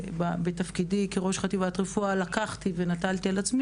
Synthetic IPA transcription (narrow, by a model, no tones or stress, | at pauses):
babet̪afkidikeʁo̞ʃχat̪ivat̪ʁefualakaχt̪ivenatalt̪ialat͡smi